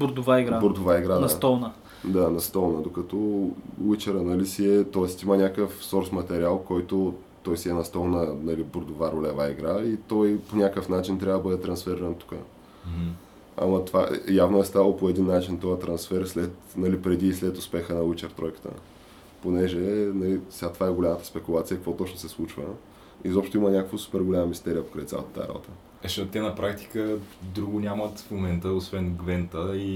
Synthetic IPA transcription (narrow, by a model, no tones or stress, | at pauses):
bʊɾd̪ʊvaiɡɾaboɾd̪ovaiɡɾadnst̪ɔlnə | d̪anɐst̪ɔlˠnəd̪okɐt̪ɔwit͡ʃəɾənɐlisiɛt̪ɔɛst̪imənʲakəfsɔɾsmɐt̪ɛɾʲialˠkɔjt̪o | t̪ɔjsiɛnɐst̪ɔlˠnənɐliboɾd̪ovaɾolɛvaiɡɾait̪ɔjponʲakəfnat͡ʃint̪ɾʲavəd̪ɐbəd̪ɛt̪ɾɐnsfɛɾiɾɐnt̪u̥kə̰ | a̰mɐt̪va̰javnoɛst̪avlˠopoɛd̪inːat͡ʃint̪ɔjət̪ɾɐnsfɛɾslɛt̪nɐlipɾɛd̪iːslɛt̪ʊspɛxənɐwit͡ʃəɾt̪ɾɔjkə̥t̪ə̰ | ponɛʒɛnɐlisɛɡat̪ovaɛɡolʲamət̪ə̥spɛkulˠat̪sijəkɐkvɔt̪ɔt͡ʃnosɛslˠut͡ʃvə̰ | izɔpʃt̪oimənʲakəkvəsu̥pɛɾɡolʲamɐmist̪ɛɾʲijəpo̥kɾa̰it̪sʲa̰lˠə̰t̪ɐt̪a̰ɾa̰bo̰t̪ə | ɛʃɔt̪t̪ːɛnɐpɾakt̪i̥kəd̪ɾuɡʊnʲamɐt̪fmomɛnt̪əosvɛnɡvɛnt̪əi